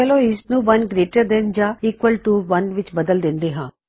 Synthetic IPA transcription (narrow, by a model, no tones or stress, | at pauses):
ɛloːɪsnũːʋɐnɡɾeːʈəɾd̪ɛnd͡ʒaːiːkʋəlʈuʋɐnʋɪt͡ʃbəd̪əld̪ɪ̃nd̪eːɦãː